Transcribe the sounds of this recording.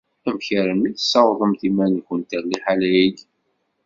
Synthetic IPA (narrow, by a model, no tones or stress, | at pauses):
æmçəɾəniθə̥sːɑwðˤəmθimænçənt̪ərliħalæjəɡ